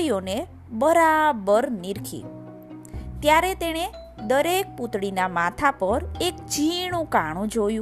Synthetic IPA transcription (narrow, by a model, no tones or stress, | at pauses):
jone | bəɾabəɾniɾkʰḭ | t̪jaɾet̪eɽ̃e | d̪əɾek̚put̪ɽinamat̪ʰapəɾek̚d͡ʒiɽ̃ũkaɽ̃ũd͡ʒojũ